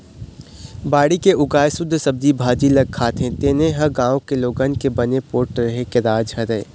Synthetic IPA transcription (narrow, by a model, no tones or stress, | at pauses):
baːɽikeʔʊɡaːjsʊd̪ʱːsɐb̚d̪ibʱaːd͡ʒilɐɡ̚kʰaːt̪ʰẽt̪eːnẽɦɐɡãːõkeloːɡənkebɐnepoːɾʈɾɐɦekeɾaːd͡ʒɦɐɾəeː